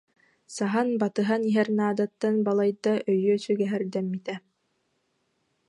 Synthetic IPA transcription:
saɦanbat̪ɯɦaniɦɛɾnaːd̪at̪ːanbalˠajd̪aʔœjøsɵɡɛɦɛɾd̪ɛmːit̪ɛ

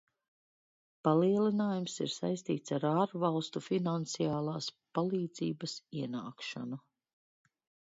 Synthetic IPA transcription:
paliɛlˠinaːjumsḭɾsa̰jst̪iːt̪saɾaːɾvalˠst̪ufinant̪sijaːlˠaːspalˠiːd̪z̥ḭːbɐsiɛna̰ːkʃa̰nu

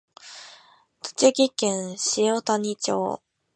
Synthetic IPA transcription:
t̪o̥t͡ɕiɡʲikẽɰ̃ɕijot̪aɲ̟it͡ɕo̰ː

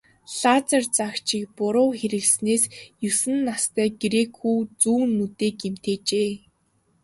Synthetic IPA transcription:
ɬat͡sart͡sakt͡ɕikpʊɾʊːxeɾɘ̆ɮsneːsjɵsɘ̆nːast̪ʰæːɡɾekʰuːt͡suːnːut̪eːkem̥t̪eːt͡ɕeː

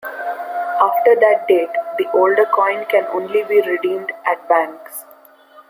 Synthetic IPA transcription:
aːfʈəɾd̪æʈ̚ɖeːʈd̪iʔoːlɖəɾkɔ̃ɪ̃nkɛ̃nõːnlibiːɾɪɖĩːmɖʔæʈ̚bæ̃ŋks

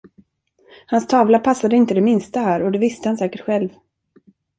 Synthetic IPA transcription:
hanst̪ʰɑːvlapʰasːad̪əɪnt̪əd̪ɛmɪnst̪aɦæːɾɔd̪ɛvɪst̪əhansɛːkəʈɧɛlv

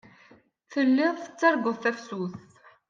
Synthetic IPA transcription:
θəlːɪðˤθə̥t͡sːɑɾˤɡəðˤθæfsuθ

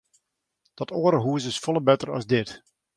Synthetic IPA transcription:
d̥ɔtʰoːɾəɦuəs̬ɪsfɔlˠəbɛtərɑ̰zdɪt

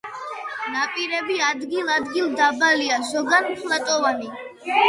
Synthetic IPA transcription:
napʼiɾɛbiad̪ɡilˠad̪ɡilˠd̪abaliazɔɡanpʰlˠat̪ʼɔvani

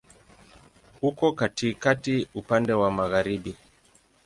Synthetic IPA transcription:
hukɔkatikatiupandɛwamaɣaɾiɓi

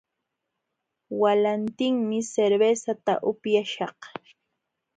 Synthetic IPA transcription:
walant̪ɪŋmɪseɾbesat̪a̰ʔʊpjaʃɑq

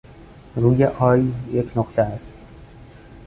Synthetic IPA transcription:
ruːjeʔɒːjjecʰnoχt̪ʰeæst̪

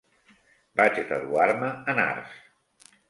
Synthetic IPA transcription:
bat͡ʃet̪əðuaɾməəna̰ɾs

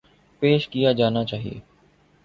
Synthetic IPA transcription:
peːʃkijad͡ʒaːnat͡ʃaːɦijḛː

